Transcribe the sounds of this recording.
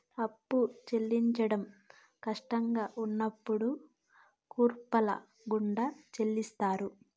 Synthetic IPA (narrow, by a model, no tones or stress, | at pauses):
ɐpːut͡ʃe̞lːiɲt͡ʃɐɽɐm | kɐʂʈɐŋɡaːʔunːɐpːuɽu | kuːɾpɐlɐ̰ | ɡuɳɖɐt͡ʃe̞lːist̪aːɾu